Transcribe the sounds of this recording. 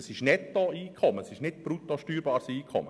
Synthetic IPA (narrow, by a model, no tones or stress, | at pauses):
əsɪʃnɛtːoiːkʰχɔməsɪʃnɪt̚b̥ɾutoʃtyːɾbɑːɾsiːkʰχɔ̰mə